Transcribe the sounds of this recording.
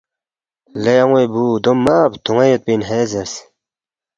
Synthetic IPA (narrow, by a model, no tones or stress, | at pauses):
lejɐŋwebuːd̪omːaːbt̪ʰuŋejet̪̚pinɦeːzeɾs